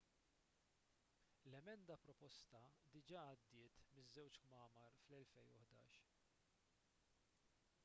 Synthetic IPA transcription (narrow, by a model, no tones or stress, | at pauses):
lɛmɛnd̪ɐpɾɔpɔst̪ɐd̪ɪd͡ʒɐːd̪ːɪːt̪mɪzːɛwt͡ʃkmɐːmɐɾflɛlfɛjʊħd̪ɐ̰ːʃ